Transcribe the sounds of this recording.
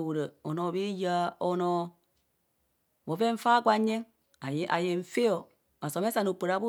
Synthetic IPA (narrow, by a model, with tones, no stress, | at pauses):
wu˨ɾə˨o˨no˨bi˦ja˦o˨no˨ | bo˨ve˦ɱ̩˦fa˦ɡʷa˦ɲe˦ŋ | a˨˦ʔa̰˨je˨ɱ̩˨fe˦o˨ | a˨so˨me˦sa˨nu˨pə˨ɾa˨˦bu˦